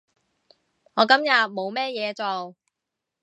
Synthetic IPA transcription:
ŋɔː˨˧kɐ˨˥mjɐ˨t̚mo˨˧wmɛː˥jɛː˨˧t͡so˨w

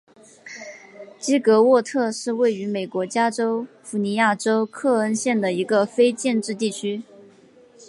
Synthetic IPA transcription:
t͡ɕi˥kɤ˧˥wɔ˥˧t̪ʰɤ˥˧ʂɻ̩˥˧we˥˩ɪy˧˥me˨˩ɪkwɔ˧˥t͡ɕja˥ʈ͡ʂo˥ʊ | fu˧˥ni˧˥ja˥˩ʈ͡ʂo˥ʊkʰɤ˥˩ə˥nɕjɛ˥˩nd̪ə˩i˧˥ɡə˧fe˥ɪt͡ɕjɛ˥˧nʈ͡ʂɻ̩˥˧t̪̬i˥˩t͡ɕʰy˥

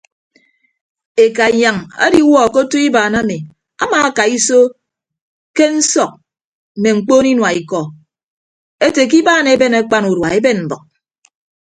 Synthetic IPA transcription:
e˨ka˨i˨ja˨ŋa̰˦di˨u˦wɔ˦˨ko˦tu˦i˦baː˨na˦mi˨ | a̰˦maː˨a˦ka˨i˦so˦ | ke˦n̩˦sɔ˨k̚ | m̩˨me˨ŋ͡m̩˨k͡poː˦ni˦nwa˨i˨kɔ˨ | e˦te˨k̬i˦baː˦˨ne˨˦be˦ne˨˦k͡pa˦nu˨dwa˨e˦be˦nm̩˨bɔ˨k̚

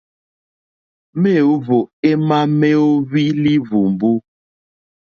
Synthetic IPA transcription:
me˦˨o˦vo˨e˦ma˦me˦o˦βi˦li˦vu˨m˨bu˦

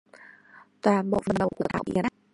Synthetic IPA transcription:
t̪waː˨˩nɓo̰˧˨və˨˩nɗə˨˩wku˧˩ə˩t̪a̰ː˧˩wɓḭ˧˩ən

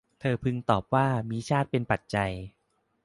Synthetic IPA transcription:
t̪ʰɤː˧pʰɯ˧ŋt̪ɔː˨˩p̚waː˥˩miː˧t͡ɕʰaː˥˩t̪̚pe˧npa˨˩t̪̚t͡ɕa˧j

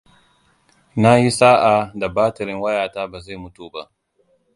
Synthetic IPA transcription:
na˦ji˦saː˦ʔa˨da˨baː˦tɐ˨ɾɪ˦ŋwɐ˦jaː˨taː˦baː˨za˦˨mʊ˦tuː˨ba̰˦ʔ

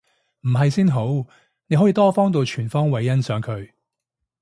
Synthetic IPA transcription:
m̩˨˩ɦɐ˨jsiː˥nɦo˨˥w | ne˨˧jɦɔ˨˥iː˧t̪ɔː˥fɔː˥ŋt̪o˨˧wt͡ʃʰyː˨˩nfɔː˥ŋwɐ˨˧jːɐ˥nsœː˨˧ŋkʰɵ˨˧ɥ

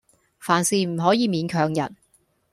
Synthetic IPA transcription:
faː˨˩nsiː˨m̩˨˩ɦɔː˨˥jiː˨˧miː˨˧nkʰœː˨˧ŋjɐ̰˨˩n̚

